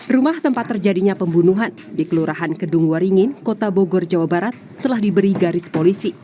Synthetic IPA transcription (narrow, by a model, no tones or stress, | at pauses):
rumaht̪əmpat̪ːərd͡ʒadiɲapəmbunuɦan | dikəluɾaɦankəduŋwaɾiŋɪnkot̪aboɡɔrd͡ʒawabaɾat̪ːəlahdibəɾiɡaɾɪspolisi